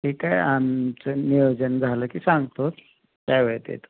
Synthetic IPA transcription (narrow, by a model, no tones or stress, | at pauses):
ikajamt͡sənijod͡ʑənd͡zʱaləːkiːsãŋɡt̪ot̪ | k̪jajʋəɭt̪ḛt̪o